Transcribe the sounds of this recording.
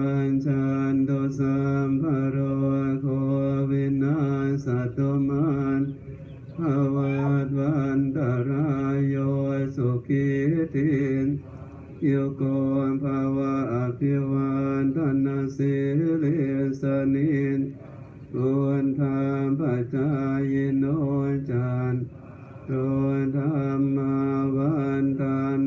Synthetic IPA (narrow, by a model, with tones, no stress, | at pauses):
nt͡ʃand̪o˧sambaɾokowi˧nansa˨t̪oman | ha˧wad̪wand̪a˨ɾajojso˨kihtin | ju˧ko˧npʰa˧wa˧ʔa˨pʰi˧wa˧nt̪a˧nːa˧si˧hli˦nsə˧nin | ku˧nt̪ʰa˧npa˨˩t͡ɕa˧ji˧no˦˧nt͡ʃa˧n | t̪o˧jt̪ʰa˧mːa˧wa˦nt̪a˧n